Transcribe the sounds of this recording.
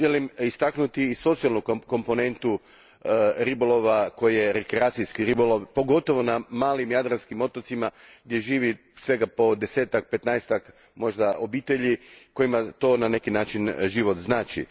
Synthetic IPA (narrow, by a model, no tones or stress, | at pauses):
ʒelimist̪aknut̪iːso̞t̪sialˠnuko̞mpo̞ne̞nt̪u | ɾibolo̞ʋako̞jije̞ɾekɾeaːt̪sijskiɾiboloʋpo̞ɡo̞t̪o̞ʋo̞namaːlimjad̪ɾanskimo̞t̪o̞t̪simaɡd̪ʲje̞ʒiːʋi | sʋe̞ɡapo̞d̪e̞se̞ːt̪ak̚pe̞t̪naest̪ak | mo̞ʒd̪aʔo̞biːt̪e̞ʎiko̞jimat̪o̞ːnane̞kinaːt͡ʃinʒiʋo̞t̪znaːt͡ʃḭ